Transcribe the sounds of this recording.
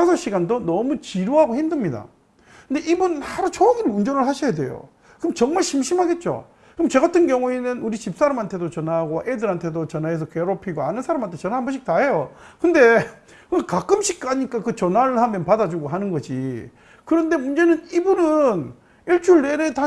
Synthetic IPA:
asʰʌɕʰiɡandonʌmut͡ɕiɾoɦaɡohindɯmɲida̰ | kɯndeʔibunɯnhaɾot͡ɕʰʌɡiɾɯund͡ʑʌnɯɭhaɕʰijade̞̰jo̰ | kɯmt͡ɕʌŋmaɭɕʰimɕʰimɦaɡe̞t̚t͡ɕ͈o̰ | kɯmt͡ɕe̞ɣatʰɯnɡjʌŋuenɯnuɾiɕʰip̚s͈aɾamɦantʰe̞dot͡ɕʌnaɡoʔedɯɾɦantʰedot͡ɕʌnɦaes̬ʰʌkeɾopʰiɡoanɯnsʰaɾamɦantʰe̞t͡ɕʌnaɦanbʌɕʰik̚t͈aɦejokɯnde̞ | kɯŋɡakak͈ɯmɕʰik̚k͈aɲik͈akɯt͡ɕʌnaɾɯɭhamjʌnpadad͡ʑuɡoɦanɯnɡʌd͡ʑḭ | kɯɾʌnde̞mund͡ʑe̞nɯnibunɯn | iɭt͡ɕʰuɭːeɾeta

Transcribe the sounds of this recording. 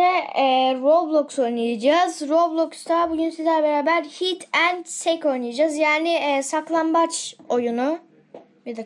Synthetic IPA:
ɛɛːɾoblˠokso̞jnujad͡ʒazɾoblˠokst̪ʰabuɟynsizlʲæbe̞ɾaːbæɾhit̪ʰænd̪sɛco̞jnɯjad͡ʒazjaːnɪɛːsaklˠanbat͡ʃo̞junu | jad̪a

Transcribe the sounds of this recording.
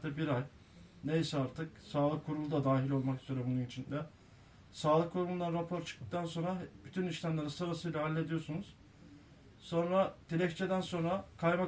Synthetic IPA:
d̪ʰɛbiɾaj | nejsɛaɾt̪ʰɯksaːlˠɯkʰːuɾulˠud̪ad̪aːɦilʲo̞lˠmakɯz̥øɾebununit͡ʃʰind̪ɛ | saːlˠɯkʰːuɾulˠunˠanɾapʰo̞ɾt͡ʃʰɯ̥k̚d̪ɯ̥k̚t̪ʰanso̞nɾab̥yt̪ʰyniʃlʲamlˠaɾɯnsɯɾasɯjlʲˠaɦalʲːe̞d̪ijo̞sunuz̥ | so̞nɾad̪ʰilʲɛct͡ʃʰed̪ænso̞nɾakʰajma

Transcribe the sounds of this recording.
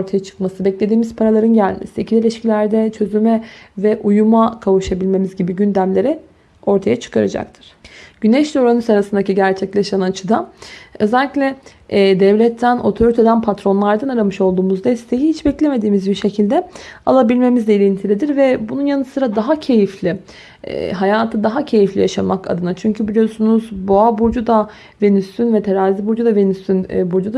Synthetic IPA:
oɾt̪ʰajat͡ʃʰɯ̥kmasɯbɛclʲe̞d̪iːmiz̥pʰaɾalˠaɾɯnɟælʲmḛsiicʰilelʲiʃcilʲæɾd̪ɛt͡ʃʰø̞zymɛvɛʔujumakʰavuʃabilʲme̞mizɟibiɟynd̪æmlʲe̞ɾɛ | o̞ɾt̪ʰajat͡ʃʰɯ̥kʰaɾa̰d͡ʒa̰k̚t̪ʰɯ̥ɾ̥ɟynɛʃlʲioɾanɯsaɾasɯnd̪aciɟæɾt͡ʃʰɛclʲeʃanat͡ʃʰɯd̪aø̞zælʲːiclʲɛː | d̪ɛvlʲɛt̪ʰːæno̞t̪ʰo̞ɾit̪ʰe̞d̪ænpʰat̪ɾo̞nlˠaɾd̪anaɾamɯʃo̞lˠd̪uːmuzd̪ɛst̪ʰe̞jihit͡ʃbɛclʲe̞me̞d̪iːmizbiɾʃe̞cʰilʲd̪ɛa̰lˠabilʲme̞mizd̪ɛilʲint̪ʰilʲid̪iɾvɛbununjanɯsɯɾad̪aɦacʰe̞jiflʲɪ̰ | ɦajaːt̪ʰɯd̪aɦacʰe̞jiflʲḭjaʃamaka̰d̪ɯnat͡ʃʰyɲcʰybilʲijo̞sunuzboabuɾd͡ʒud̪a | ve̞nyst̪ʰynvɛt̪ʰeɾaːzibuɾd͡ʒud̪ave̞nyst̪ʰynbuɾd͡ʒud̪a

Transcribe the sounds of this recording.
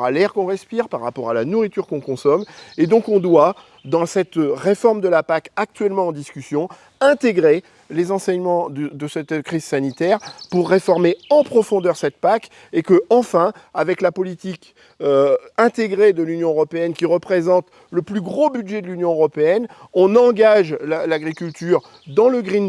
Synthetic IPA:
alɛʁkɔ̃ʁɛspiʁpaʁːapɔʁalanuʁit̪yʁkɔ̃kɔ̃sɔmed̪ɔ̃kɔ̃d̪wa | d̪ɑ̃sɛt̪ʁefɔʁmd̪əlapakak̚t̪ɥɛlmɑ̃ɑ̃d̪iskʲysjɔ̃ | ɛ̃t̪eɡʁe | lezɑ̃sɛɲmɑ̃d̪əd̪əsɛt̪kχiz̥sanit̪ɛʁpuʁːefɔʁmeɑ̃pχɔfɔ̃d̪œʁsɛt̪̚pak | ekəɑ̃fɛ̃avɛklapɔlit̪ik | øɛ̃t̪eɡʁed̪əlynjɔ̃øʁɔpeɛnkʲiʁəpχezɑ̃t̪ | ləplyɡʁobyd̪ʒɛd̪əlynjɔ̃øʁɔpeɛnɔ̃nɑ̃ɡaʒlalaɡʁikʲylt̪yːʁ | d̪ɑ̃ləɡʁin

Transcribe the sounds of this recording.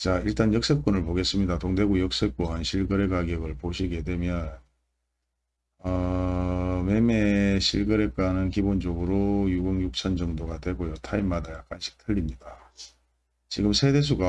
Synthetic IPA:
t͡ɕaiɭt͈anjʌk̚s͈ek̚k͈onɯɭpoɡe̞s͈ɯmɲidatoŋde̞ɡujʌk̚s͈ek͈oɦanɕʰiɭɡɯɾe̞ɡaɡjʌɡɯɭpoɕʰiɡe̞dwe̞mjʌn | ʌ | me̞me̞ɕʰiɭɡɯɾe̞k͈anɯnkibond͡ʑoɡɯɾojuɡɯŋjuk̚t͡ɕʰʌnd͡ʑʌŋdoɡadwe̞ɡojotʰaimːadajak̚k͈anɕʰi̥k̚tʰɯʎːimɲida | t͡ɕiɡɯmsʰe̞de̞s̬ʰuɡa

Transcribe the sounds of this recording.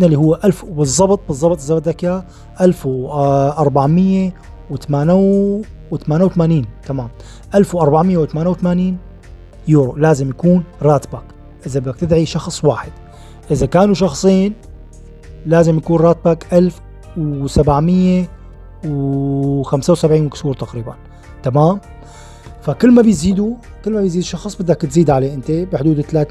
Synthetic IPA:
nalːiːhʊwːʔalfbɨzˤːɑbt̪̚ˤbɨzˤːɑbt̪ˤzːɑbt̪̚d̪akjaː | ʔalfʔɑɾˤbaʕmɪjːe | wɪt̪amaːnawwɪt̪amaːnawt̪amaːniːnt̪amaːm | ʔalfwʔɑɾˤbaʕmɪjːawɪt̪amaːnawt̪amaːniːn | juːɾolaːzɪmjakuːnɾˤaːt̪bak | ʔɪðabɪd̪akt̪ɪd̪ʕiʃɑxsˤwaːħɪd̪̥ | ʔɪzakaːnuʃɑxsˤiːn | laːzɪmjakuːnɾˤɑːt̪̚bakʔalf | wsabaʕmɪjːe | w | xamsawsabʕiːnwɪkshuːɾt̪aqɾiːba̰n | t̪amaːm | fakɪlːmabjziːd̪ukɪlːmabɪjziːd̪ʃːɑxsˤbɪd̪ːakt̪ziːd̪ʕaleːʔɪnt̪ebɪħd̪uːd̪ɪt̪laːt̪

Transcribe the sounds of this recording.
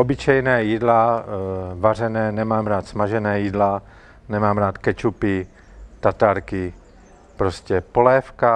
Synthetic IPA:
ʔobɪt͡ʃɛjnɛːjidla | varɛnɛːnɛmaːmɾaːt̪smaʒɛnɛːjiːdla | nɛmaːmɾaːt̪kɛt͡ʃupɪ | t̪at̪aɾkɪ | pɾoscɛpolɛːfka

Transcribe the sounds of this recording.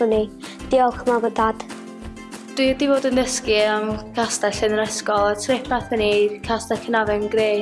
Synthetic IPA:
ʊnid̥iɔlˠkʰəmavɔdaːd̥ | d̥widivoːdəndəskiəmkʰastaɬɪnɾɛskɔlˠatʰrepʰaθənivkʰastakʰənavɛnɡreː

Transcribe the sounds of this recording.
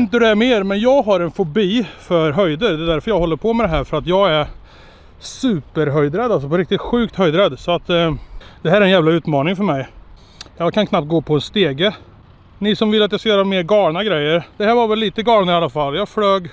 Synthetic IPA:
ɪnt̪̬əd̪ɛæmeːɾmɛnjɑːɡɦaɾɛnfʊbiːfœɾɦœjd̪əɾd̪ɛd̪æɾfœɾjɑːɡɦɔlːəɾpʰɔmɛd̪ɛɦæːɾfœɾat̪jɑːɡɛɾ | sʉːpəɾɦœjd̪ɾɛd̪ːals̬ɔpʰɔɾɪk̚t̪ɪt̪ɧʉ̟ːk̚t̪hœjd̪ɾɛd̪ːsɔat̪ː | d̪̥ɛɦæːɾɛnjæːvlaʉ̟ːt̪mɑːnɪŋfœɾmɛj | jɑːkʰankʰnap̚t̪ɡoːpʰɔɛnst̪eːɡə | nɪsɔmvɪlːat̪jaskajœːɾameːɾɡɑːɳaɡɾɛjːəɾd̪̥ɛhæːɾvaɾvɛlːiːt̪əɡɑːnaɪalːafalːjɑːɡfløːɡ

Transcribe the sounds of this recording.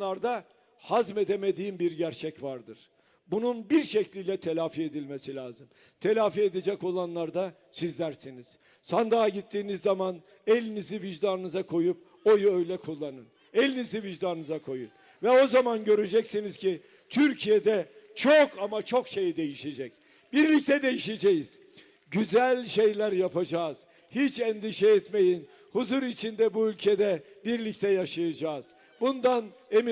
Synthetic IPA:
aɾd̪a | hazme̞d̪e̞me̞d̪iːmbiɾɟæɾt͡ʃʰɛcvaɾd̪ɯɾ̥ | bununbiɾʃɛclʲiːlʲɛt̪ʰelʲaːfie̞d̪ilʲmesilʲaːzɯm | t̪ʰe̞lʲaːfied̪ed͡ʒɛco̞lˠanlˠaɾd̪a | sizlʲæɾsiniz̥ | sand̪aːɟit̪ʰːiːnizːaman | elʲiniziviʒd̪anɯnɯzakʰo̞jup̚ | o̞juøjlʲɛkʰulˠːanɯn | ɛlʲiniziviʒd̪anɯnɯzakʰo̞jun | vɛo̞zamanɟø̞ɾed͡ʒɛcsiniz̥cʰi | t̪ʰyɾcʰijed̪ɛ | t͡ʃʰokʰamat͡ʃʰo̞kʃe̞jid̪e̞jiʃe̞d͡ʒɛc | biɾlʲic̚t̪ʰɛd̪e̞jiʃed͡ʒɛjiz̥ | ɟyzælʲʃe̞jlʲæɾjapʰad͡ʒaːz̥ | hit͡ʃɛnd̪iʃɛɛt̪me̞jin | huzuɾit͡ʃʰind̪ɛbuylʲcʰɛd̪ɛ | biɾlʲict̪ʰɛjaʃajad͡ʒaːz̥ | bund̪an | emi

